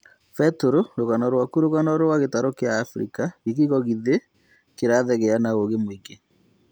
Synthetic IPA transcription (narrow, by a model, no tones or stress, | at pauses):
fɛtoɾoɾoɣanɔɾwakuɾoɣanɔɾowaɣetaɾokeaːfɾḭkaɣiɣiɣɔɣiðe | keɾaðɛɣɛanaoɣemwike